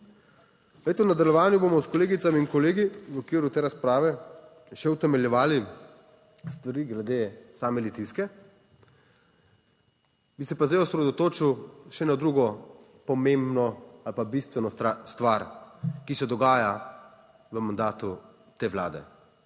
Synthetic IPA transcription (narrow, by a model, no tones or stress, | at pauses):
let̪ɛwnad̪aljɔʋaːnjubomɔskɔleːɡit̪samiːŋkɔleːɡiwɔkʋiːɾut̪eːɾaspɾaːʋɛ | ʃɛwt̪ɛmɛljɛʋaːli | st̪ʋaɾiːɡlɛd̪eːsaːmɛlit̪iskɛ | bisɛpazd̪ajɔsɾɛd̪ɔt̪oːt͡ʃiwʃɛnad̪ɾuːɡɔ | pɔmembnɔalpabist̪ʋɛnɔst̪ʋaɾkisɛd̪ɔɡaːja | ʋəmand̪aːt̪u | t̪eːʋla̰ːd̪ɛ̰